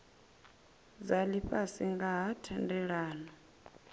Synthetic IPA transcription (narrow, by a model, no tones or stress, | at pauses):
zaliɸasiŋɡaɦatʰɛndɛɺaːnɔ